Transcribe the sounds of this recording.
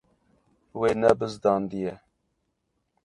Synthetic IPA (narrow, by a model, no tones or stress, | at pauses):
weːnɛbəzd̪ɑːnd̪ijɛ